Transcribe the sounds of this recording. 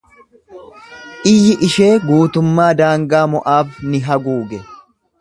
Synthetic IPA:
ʔɪjːɪʔɪʃe̞ːɡuːt̪ʊmːaːd̪aːŋɡaːmɔʔaːfnɪɦɐɡuːɡɛ

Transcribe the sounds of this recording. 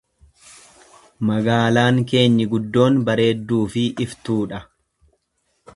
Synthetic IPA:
mɐɡaːlaːŋke̞ːɲːɪɡʊd̪ːo̞ːnbɐɾe̞ːd̪ːuːfɪʔɪft̪uːᶑɐ

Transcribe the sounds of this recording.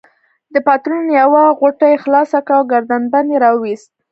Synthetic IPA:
d̪əpat̪ɾunjawaɣoʈajxlɑsakawɡaɾd̪anbanjeɾɑwist̪̚

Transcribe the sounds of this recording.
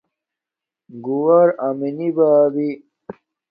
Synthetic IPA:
ɡuwɐɾaminibaːbi

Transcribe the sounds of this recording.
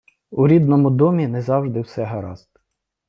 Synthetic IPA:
uɾʲid̪nɔmʊd̪ɔmʲinɛzɑwʒd̪ɪwsɛɦɐɾɑ̰zt̪

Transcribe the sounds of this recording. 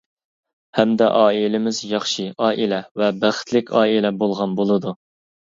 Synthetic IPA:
hɛmd̪ɛ̰ʔɑːilɪmɪzjɑχʃiɑːʔilɛvɛbæχɪ̥t̪ʰlɪkʲʰɑːilɛbolˠʁɑnbolˠɨd̪u

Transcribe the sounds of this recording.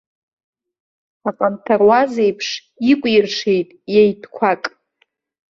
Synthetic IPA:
aqʼamtʰarwazejpʰʂ | ikʷʼjɪrʂejtʼjejdʰkʷʰakʼ

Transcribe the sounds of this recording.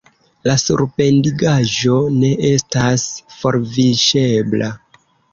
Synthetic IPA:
lasṵɾpe̞ndiɡaʒo̞ne̞ʔe̞stasfo̞ɾviʃe̞bla

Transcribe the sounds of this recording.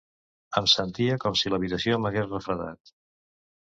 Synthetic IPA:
əmsənt̪iəkɔmsiləβit̪əsioməɣesrəfɾəða̰t̪

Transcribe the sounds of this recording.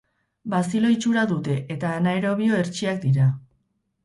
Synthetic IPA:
basilo̞it͡ʃuɾaðut̪e̞ʔet̪aːnaeɾo̞βio̞e̞ɾt͡ʃiak̚d̪iɾa

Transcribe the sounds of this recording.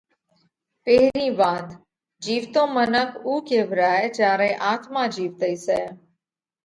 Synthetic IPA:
peɦɾĩːbaːd̪ | d͡ʒiːʋt̪õːmənəkʰuːkeːbʱɾaːet͡ʃaːɾẽːʔaːt̪maːd͡ʒiːʋt̪əiːsɛː

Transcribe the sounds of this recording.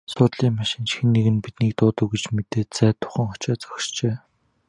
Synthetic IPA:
sʊːt̪ɮiːŋmaʃɪ̆nt͡ɕxĕnːeɣɘ̆npit̪niːk̚t̪ʊːt̪ə̆wɡet͡ɕmet̪eːt̪t͡sæːt̪ʰːʊ̥χə̆ŋχɔ̥t͡ɕaːt͡sɔ̥kʲʃt͡ɕeː

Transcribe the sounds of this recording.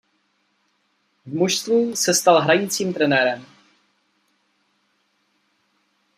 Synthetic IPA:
vmuʃst̪viːsɛst̪alɦɾaɲɪt͡siːmt̪ɾɛnɛːɾɛm

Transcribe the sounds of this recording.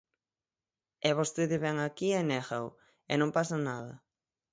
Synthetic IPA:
ɛβost̪eðeβɛŋakiɛnɛxaw | enõmpasanaðɐ̰

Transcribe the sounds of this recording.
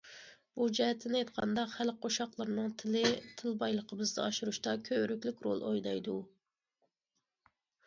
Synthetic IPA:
b̥ud͡ʒɛɦɛt̪ʰːɪnɪɑjt̪qʰɑ̰nd̪ɑqχælqʰoʃɑqlˠəɾnɨŋt̪ʰɪlɪt̪ʰɪlbɑjlˠəqʰəbɨzd̪ɑɑʃuɾuʃt̪ɑkʲʰøɾykʲlykʲɾo̰lˠo̰jd̪ɑjd̪u

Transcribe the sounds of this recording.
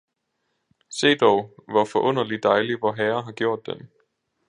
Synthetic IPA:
se̝̰ːd̥ɒʊʋɒfɒ̽ʔɔ̽n̰ɐlid̥ɑ̈ɪliʋɒɦæːɐɦɑ̈ɡ̥jo̝ɐ̰d̥̚ːen

